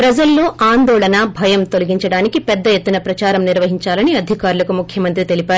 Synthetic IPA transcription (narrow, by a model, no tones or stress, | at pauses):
pɾɐd͡ʒɐlːoːʔaːnd̪ɔːɭɐnɐbʱɐjɐmt̪o̞lɐɡiɲt͡ʃɐɽaːnikipɛd̪ːɐjet̪ːunɐpɾɐt͡ʃaːɾɐmniɾʋɐɦiɲt͡ʃaːlɐniɐd̪ʱikaːɾulɐkumukʰjɐmɐnt̪ɾit̪e̞lipaːɾu